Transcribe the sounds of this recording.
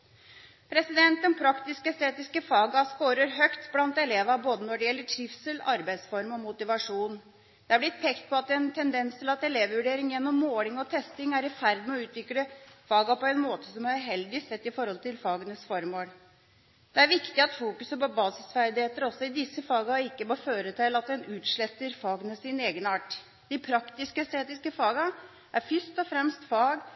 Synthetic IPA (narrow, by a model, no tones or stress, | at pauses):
pʰɾɛsɪd̪ɛnt̪ənpʰɾɑkt̪ɪskəɛst̪ʰeːt̪ɪskəfɑːɡɑskoːɾəɾɦœkt̪blɑnt̪ɛleːʋɑboːd̪ənɔɖɛjɛlːəʈʰɾɪfsəlɑɾbæɪd̪sfɔɾmɔmʊt̪ɪʋɑʂuːn | d̪̥ɛæblɪt̪̚pʰɛkt̪̚pʰɔɑt̪ɛnt̪ʰɛnd̪ɛnst̪ʰɪlɑt̪ɛleːʋʋʉɖeːɾɪŋjɛnːɔmːoːlɪŋɔt̪ʰɛst̪ɪŋæɾɪfæɾd̪mɛɔʉːt̪ʋɪkləfɑːɡɑpɔɛnmoːt̪əsɔmɾɦɛld̪ɪsɛt̪ːɪfɔɾhɔlt̪ɪlfɑːɡənəsfɔɾmoːl | d̪̥ɛæɾʋɪkt̪ɪɑt̪fuːkʉsəpɔbɑːsɪsfæɾd̪ɪheːt̪əɾɔsːɔɪd̪ɪsːəfɑːɡɑɪkːəmoːføːɾət̪ʰɛlːɑt̪̚d̪ɛnʉːt̪ʂɭɛt̪ːəɾfɑːɡnɛsɪneːɡənɑːʈ | d̪̥ɪpʰɾɑkt̪ɪskəɛst̪eːt̪ɪskəfɑːɡɑ | ʔæɾfʏst̪ɔfɾɛmst̪fɑːɡ